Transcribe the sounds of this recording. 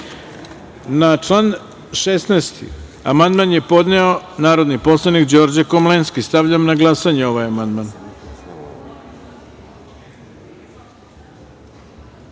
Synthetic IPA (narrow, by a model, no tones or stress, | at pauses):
nat͡ʃlˠaːn | ʃesnest̪ḭ | a̰mand̪manje̞po̞d̪neo̞naːɾo̞d̪nipo̞slˠanikd͡ʑo̞ɾd͡ʑekomlenskist̪aʋʎamnaɡlˠasaɲeo̞ʋajamand̪man